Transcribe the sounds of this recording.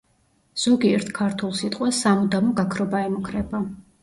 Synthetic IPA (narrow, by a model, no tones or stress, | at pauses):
z̥ɔɡiɛɾt̪ʰkʰaɾt̪ʰulˠsit̪ʼqʼwɛsamud̪amɔɡakʰɾɔbaɛmukʰɾɛba